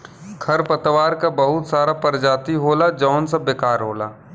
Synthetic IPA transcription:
kʰɐɾpɐt̪ʋaːɾkabɐɦʊt̪saːɾapɐɾd͡ʒaːt̪iɦoːlad͡ʒɔːnsɐbeːkaːɾɦoːlaː

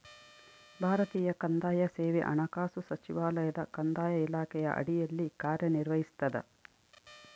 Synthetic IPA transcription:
bʱaːɾɐt̪iːjɐkɐnd̪aːjɐseːʋɛʔɐ̰ɳɐkaːsusɐt͡ʃiʋaːlɐjɐd̪ɐkɐnd̪aːjɐilaːkɛjɐ̰ʔɐ̰ɽijɐlːikaːɾjɐniɾʋɐɦist̪ɐd̪ɐ̰

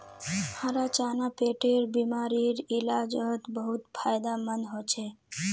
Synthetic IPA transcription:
maɾat͡ʃanapeʈeɾbimaɾiɾilad͡ʒət̪bəɦut̪pʰajd̪amənɦot͡ʃʰe

